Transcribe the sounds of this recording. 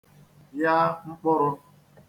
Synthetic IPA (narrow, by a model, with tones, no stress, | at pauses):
ja˦ŋ͡m̩˦k͡pʊ˦ɾʊ˦